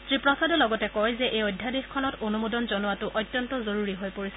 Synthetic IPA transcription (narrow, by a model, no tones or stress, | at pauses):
tɹipɹɔsadɔlɔɡɔtɛkɔjzɛʔejɔjdʱjadexkʰɔnɔtonumodɔnzɔnuwatʊʔɔjtjɔntɔzoɹuɹiɦojpoɹisɛ̥